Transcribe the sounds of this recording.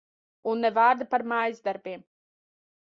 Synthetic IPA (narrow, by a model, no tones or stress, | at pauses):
unːɛvaːɾd̪apaɾmaːjizd̪aɾbiɛm